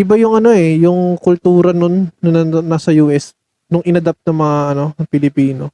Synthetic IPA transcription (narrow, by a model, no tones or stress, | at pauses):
ʔɪbajʊŋʔɐno̞ɛjʊŋkʊlt̪uːɾɐnonːɐɐnasɐjuːʔɛs | nʊŋʔɪnɐd̪ap̚t̪̚nɐŋmɐŋaʔɐno̞pɪlɪpiːno̞